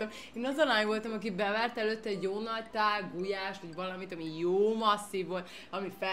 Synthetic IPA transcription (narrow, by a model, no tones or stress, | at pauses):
ɒm | eːnɒzɒlaːɲvolt̪ɒmɒkibɛvaːrt̪ɛløːt̪ːɛɛɟoːnɒlt̪aːɡujaːʃt̪ʋɒɟvɒlɒmit̪ɒmijoːmɒsːivolt̪ | ɒmifɛ